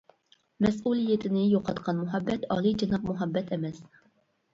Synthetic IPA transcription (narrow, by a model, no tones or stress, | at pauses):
mɛsulˠijɛt̪ʰɪnɪjoqʰɑ̰t̪qʰɑnmʊɦɛbːɛt̪ɑːlˠɨjd͡ʒɑnɑb̚mʊɦɑbːɛt̪ʰɛmɛs